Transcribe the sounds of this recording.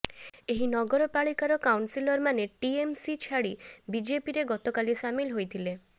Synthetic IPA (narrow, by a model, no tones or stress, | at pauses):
eɦinɔɡɔɾɔpaɭikaɾɔkawnsilɔɾmaneʈiemsit͡ʃʰaɽibid͡ʒepiɾeɡɔt̪ɔkalisamilɦojt̪ʰile